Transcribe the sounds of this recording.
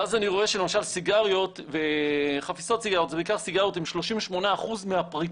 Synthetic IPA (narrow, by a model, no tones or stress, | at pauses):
azaniʁo̞e̞ʃelemaʃalsiɡaʁjo̞tveχafiso̞tsiɡaʁjot̪zbeikaʁsiɡaʁjotimʃlo̞ʃimveʃmo̞naːχuzmeapʁi